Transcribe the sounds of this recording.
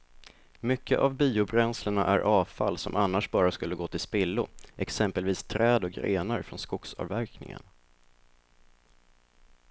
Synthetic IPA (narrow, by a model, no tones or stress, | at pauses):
mʏkːə̰ʔavbiːʊbɾɛnsləɳa̰ʔæ̰ɾʔɑːvfa̰lːsɔ̰mʔanːaʂbɑːɾaskɵlːəɡoːt̪ʰɪlspɪlːʊʔɛksɛmpəlviːst̪ʰɾɛːd̪ɔk̚ɡɾeːnaɾfɾɔnskʊksɑ̰ːvvːæɾknɪ̰ŋə̰n